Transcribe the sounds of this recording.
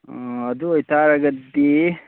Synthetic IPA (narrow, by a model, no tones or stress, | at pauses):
ɐd̪ʊɔjt̪aːɾɐɡɐd̪ːi